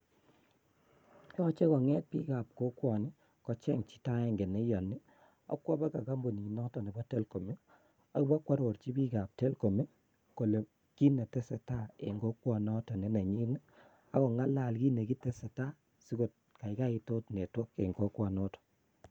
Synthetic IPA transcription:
jɔ˦t͡ʃe˦kɔ˨ŋɛ˦t̚pi˦ka˨p̚ko˦kwɔ˨nɪ˦ | kɔ˨t͡ʃɛ˦ŋt͡ʃi̥˦ta˦ɛ˨ŋɡe˨ne˦jɔ˨ni˦ | ɔ̰˦kwɔ˦ba˦ka˨ɡa˦mbo˨ni˨nɔ˦tɔ˨ni˨bɔ˦te˦lko˨me˦ | a˦ba˦kwa˦ɾo˨ɾt͡ʃi˦bi˦ɡa˨p̚te˦lko˨me˦ | ko˨le˨ | ki˦ne˨tɛ˦sɛ˨ta˦ḛ˨ŋɡo˦kwɔ˨nɔ˦tɔ˨ne˨˦na˨ɲi˦nɛ˦ | a˨˦kɔ˨ŋa˦la˨lɡi˦ne˨ki˦tɛ˦sɛ˨ta˦ | si˦ɡo˨t̚ | ka˨ɪ˦ka˦i˨to˦tne˨twɔ˦ke˨ŋɡo˦kwɔ˨nɔ˦tɔ̥˨

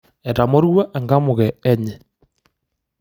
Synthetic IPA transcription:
ɛ˨ɾa˨mo˦ɾwa˦ʔe˨ŋɡa˦mʊɣɛː˨˦ɲe˨

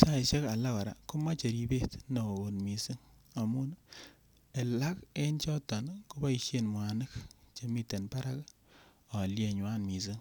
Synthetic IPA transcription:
sa˦i˨ʃe˦ka˨la˦ka˨ɾa̰˨ku˦ma˦t͡ʃe˨ɾi˦be˦tno˨o˨o˨nmi˨sɨ˦ŋa˨mu˦n | e˨la˦ke˦nt͡ʃɔ˦tɔ˨nko˦ba˦i˨ʃe˦nmwa˨nɨ˦kt͡ʃe˨mi˦te˨npa˦ɾa˦k | a˨lje˨ɲwa˦nmi˨s̬ɨ˦ŋ

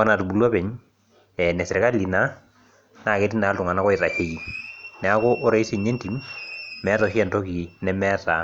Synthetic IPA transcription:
a˦na˨tu˨bu˨lwa˦pɛ˨ɲ | ɛ˨nɛ˨sɪ˨ɾɪ˨ka˦li˨na˦ | na˨ke˦ti˦na˨˦ltʊ˨ŋa˨na˦kɔ˦ɪ˨ta˨he˨ji˨nɛ˨a˦ko˦ʔo˦ɾe˨i˦se˨ɲe˦nti˨mmɛ˨˦tɔ˨ʃɛ˦˨nto˦ki˨nɛ˦mɛ˦ta˨

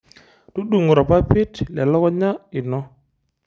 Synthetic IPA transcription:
tu˦ɗu˨ŋ˨ɾɔ˨pa˦pi˦tlɛ˨lɔ˦kɔ˦ɲa˦i˨nɔ˦

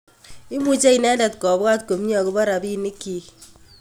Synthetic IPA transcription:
i˦mu˦t͡ʃe˦i˨nɛ˦nda˨t̚kɔ˨bwa˦t̚ko˨mɲɔ˨kʊ˦ba˦ɾa˨bi˦ni˦ki˨

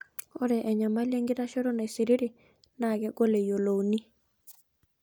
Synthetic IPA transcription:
o˦ɾɛ˨ʔɛ˨ɲa˨ma˦lje˦ŋɡɪ˦ɾa˦ʃɔ˦ɾɔ˦na˨i˨si˨ɾi˦ɾi˨ | na˨ɡɛ˦ɡo˦le˨jo˨lo˨wni˦

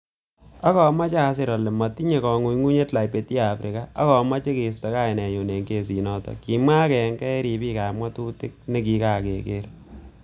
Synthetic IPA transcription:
a˦kɔ˨ma˦t͡ʃa˨s̬ɪ˦ɾɔ˨lɛ˨mɔ˨ti˦ɲe˨kɔ˨ŋu˨ŋu˦ɲe˦tla˨jpe˨ti˦a˦˨fɾʔi˨ka˦a˦kɔ˨ma˦t͡ʃe˦ke˨s̬ta˨˦ka˦˨ɪ˨nɛ˨ju˨ne˨ŋɡe˨s̬i˨nɔ˦˨tɔ̰˨ki˨mwa˦kɛ˨ŋɡɛ˦ɾi˨piː˦ka˨ma˦tu˦tɪ˦k̚ne˦ki˨˦ka˨ke˨ke˦ɾ

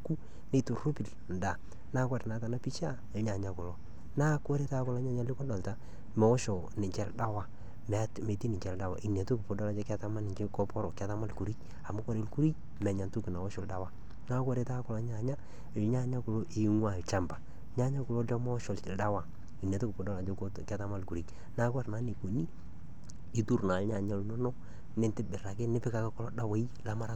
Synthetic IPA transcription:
ku˦ | ne˦tu˨ro˦pi˨l | n˨da˨ | na˦kɔ˦ɾe˨na˨˦ta˨na˦pi˦t͡ʃa˦ | ɪ˨lɲa˨ɲa˦kʊ˨lo˦ | na˦kɔ˦ɾe˦ta˦kʊ˨lɔ˦ɲa˦˨ɲa˦lɪ˦kɔ˦da˨lta˦ | mɛ˨ɔ˦ʃɔ˨ | nɪ˨t͡ʃɛ˦lda˦wa˦ | mɛ˨˦tme˨ti˦nɪ˨ɲt͡ʃɛ˨lda˦wa̰˨ʔi˨ne˨to˦ku˨po˨dɔ˦la˦t͡ʃɛ˦ka˦ta˦ma˦nɪ˨ɲd͡ʒɪ˦kɔ˦pɔ˦ɾɔ˨ka˨˦ta˦ma˦lku˨ɾi˦t͡ʃ | a˨mʊ˦ko˦ɾe˨˦lku˦ɾi˦ | mɛ˨ɲa˨ntu˦kɪ˨na˨ɔ˦ʃɔ˨lda˦wa˦ | na˦kɔ˦ɾe˨˦ta˦kʊ˦la˨˦ɲ˦a˨ɲa˦˨ | lɲa˦ɲa˦kʊ˨lo˦ʔɪ˨ŋwa˦˨t͡ʃa˦mba˨ | ɲa˦ɲa˦kʊ˨lo˦ɔ˦ma˦ʃɔ˨lt͡ʃɪ˨lda˦wa˨ | i˨n˨e˨tʊ˦kpʊ˨dɔ˦la˨t͡ʃe˦kɛ˦ta˦ma˦lku˨ɾi˦ | na˦ka˦ɾna˦ni˨ko˨ni˦ | i˦tu˦ɾna˨lɲa˨ɲa˦lnɔ˦nɔ˦ | nɪ˦ntɪ˦bɪ˨ɾa˨kɪ˦nɪ˦pɪ˦ka˨ke˦kʊ˦lɔ˦da˦wa˨˦i˦la˦ma˦ɾa˦t

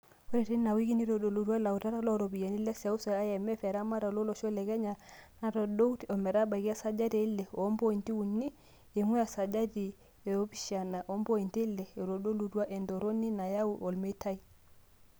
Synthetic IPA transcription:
o˦ɾi˨ti˦na˨wi˦ɡi˦ni˦ɾo˨do˨lu˨dwa˦la˨wta˦ɾa˦lo˦ɾo˨bi˨ja˨ni˦le˦sa˨u˦sa˨a˦jɛ˨mɛ˦fe˨ɾa˦ma˦ɾa˨lo˦lo˨ʃo˦le˨ɡe˦ɲa˨na˦ɾo˨do˦wto˨me˨ɾa˦ba˨iɡi˦a˦sa˨d͡ʒa˦de˨i˦lːe˨o˦mbo˦i˨nti˦wu˨nːi˦ | e˨ŋu˦ja˨sa˨d͡ʒa˦di˨ | e˨o˦bi˦ʃa˨na˨ʔo˨˦mbo˦i˨nti˦lːe˨ɾo˨do˦lu˨du˦a˦ʔe˨ndo˨ɾo˦ni˦na˨ja˦wu˨ʔo˨lme˦ta˦i˦

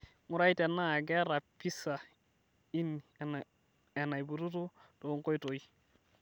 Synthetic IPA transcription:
ŋu˦ɾa˦i˦tɛ˨nːa˦a˨ɡɛ˦ɾa˨pi˦sa˨ | i˦n | ɛ˨na˨jbu˨tu˦tu˦to˨˦ŋ˦ko˦jto˨i˦

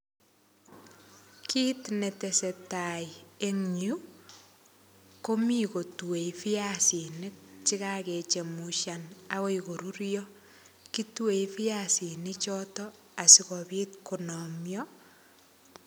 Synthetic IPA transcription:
kʰi˦tne˨te˨se˨ta˨je˦ŋɲu˦ | ko˦mi˦ko˨twe˨ifi˦jasi˨nɪ˦k̚t͡ʃi˦kake˨t͡ʃe˨mu˨ʃa˨nakɔ˦iko˨ɾu˦ɾjɔ˦ | ki˦twe˨fi˦asi˨nɪt͡ʃɔtɔ | a˨si˨kɔbiː˦tku˨nɔ˨mjɔ˦

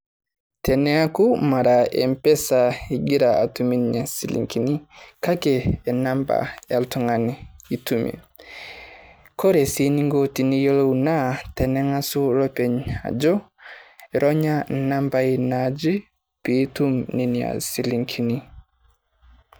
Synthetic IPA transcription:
tʰɛ˨nɛa˦kuma˨ɾaɛ̰mpɛ˦sa˨i˨ɡi˦ɾaa̰˨tumi˦nɲa˨si˨lḭŋkini˦ka˦kɛː˨namba̰a˨ltu˨ŋanii˨tumḭ˨ | kʰɔ˦ɾɛ˨sini˦ŋɡɔti˨ni˦jɔ˦lɔ˦una˦tɛ˨nɛ˦ŋa˦su˦lɔ˦pɛ˨ɲa̰˨d͡ʒɔ˦ | ɛɾɔ˦ɲa˦na˦mbai˨nad͡ʒi˦ | pitu˦mni˨nia̰˨si˨liŋkʰini

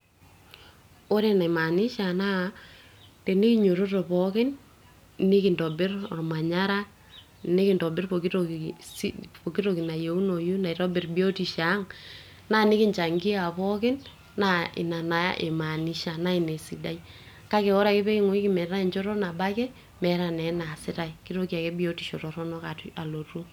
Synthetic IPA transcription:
o˦ɾe˦na˨i˨ma˨ni˦ʃa˨na˦ | te˨ni˦ki˦ɲo˨ɾo˦to˨pɔ˦kɪ˦n | ni˦ki˨ndɔ˨bɪ˦ra˨mwa˨ɲa˦ɾa˦ | ne˦kɪ˨ndɔ˨bɪ˦rpo˨ki˦o˨si˦po˨ki˦ɾo˨ki˨na˨je˨u˦no˨ju˦na˨i˨tɔ˦bɪ˨rbi˦o˦ti˨ʃa˨˦ŋ | na˦nɪ˦kɪ˦ɲt͡ʃa˨ŋɡi˦a˨pɔ˦kɪ˦nː | a˦ḭ˨na˨na˨ja̰˦ʔe˨ma˨ni˦ʃa˨na˦i˨ne˨si˨da˦i˦ | ka˦ke˨wɔ˦ɾa˨ke˦pe˦ki˦ŋo˦i˦ki˦mɛ˨ɾa˦i˨t͡ʃo˦ɾɔ˦na˨ba˦kɛ˦ | mɛ˨ɾa˨nɛ˨˦na˨sɪ˦ta˨iki˦ɾo˦ki˦a˨kɛ˦bi˦o˦ti˨ʃo˨tɔ˨ɾɔ˦nɔ˦ka˨ta˨lo˨ru˦

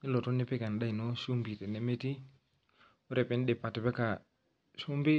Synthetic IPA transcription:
nɪ˦lɔ˨tɔ˦nɪ˦pɪ˦ka˨n˨ɗa˦i˨nɔ˦su˦mbi˨tɛ˨nɛ˦me˦ti˦ | ʊ˦ɾɛ˨pɛ˨˦n˦ɗɪ˨pa˨tɪ˨bɛ˦ka˨ | su˦mbɪ˦

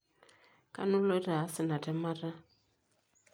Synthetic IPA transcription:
ka̰˦nu˦lɔ˦ɾa˨˦sɪ˨na˨tɛ˦ma˦ɾa˦

